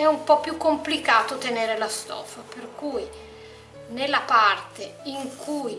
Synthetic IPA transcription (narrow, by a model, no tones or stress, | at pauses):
ɛumpɔpːjukːomplikaːt̪ot̪eneːɾelast̪ɔ̰ːfaperkuj | nelːapart̪eiŋkʰuj